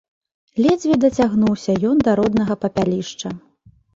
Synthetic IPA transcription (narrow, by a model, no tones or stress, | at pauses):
lʲɛd͡zʲvʲid̪ɐt͡sʲaɣnuwsʲɐjɔnd̪ɐɾɔd̪nɐɣɐpɐpʲalʲiʂt͡ʂɐ